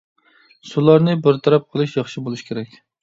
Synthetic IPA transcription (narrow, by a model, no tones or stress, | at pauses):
sʊlˠaɾnɪbɪɾt̪ʰaɾap̚qʰɨlˠɪʃjɑχʃɪbolˠɪʃkʲʰeɾakʲ